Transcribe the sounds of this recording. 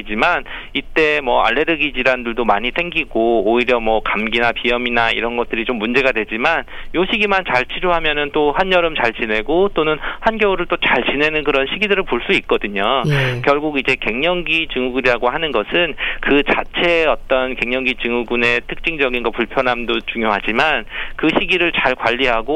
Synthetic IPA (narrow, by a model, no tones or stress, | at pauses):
d͡ʑiman | it͈e̞mʌa̰ɭːe̞ɾɯɡid͡ʑiɾandɯɭdomaɲisʰe̞ŋɡiɡooiɾjʌmʌkamɡinapijʌminaḭɾʌnɡʌt̚t͈ɯɾit͡ɕomːund͡ʑe̞ɡadwe̞d͡ʑiman | joɕʰiɡimant͡ɕaɭt͡ɕʰiɾoɦamjʌnɯnt͈ohanjʌɾɯmt͡ɕaɭt͡ɕine̞ɡot͈onɯnhanɡjʌuɾɯɭt͈ot͡ɕaɭt͡ɕine̞nɯnkɯɾʌnɕʰiɡidɯɾɯɭpoɭs͈uik̚k͈ʌdɯɲokjʌɭɡuɡid͡ʑe̞ke̞ŋɲʌŋɡit͡ɕɯŋuɡɯɾiɾaɡohanɯnɡʌsʰɯnkɯt͡ɕat͡ɕʰe̞ʌt͈ʌnke̞ŋɲʌŋɡit͡ɕɯŋuɡune̞tʰɯk̚t͡ɕ͈iŋd͡ʑʌɡinɡʌpuɭpʰjʌnɦamdot͡ɕuŋjoɦad͡ʑimankɯɕʰiɡiɾɯɭt͡ɕaɭkwaʎːiɦaɡo